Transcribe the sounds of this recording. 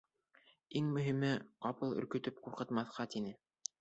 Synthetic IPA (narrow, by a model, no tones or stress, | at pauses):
iŋmɵ̆ɦimɘqɑpɤlˠɵ̰̆ɾkɵ̆t̪ɵp̚quɾqɤ̆t̪mɑθqɑt̪inɘ